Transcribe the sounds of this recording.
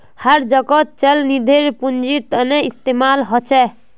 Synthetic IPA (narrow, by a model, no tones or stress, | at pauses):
həɾd͡ʒəkɔt̪̚t͡ʃəlnid̪ʱeɾpund͡ʒiɾt̪ənɛist̪emalɦɔt͡ʃʰɛ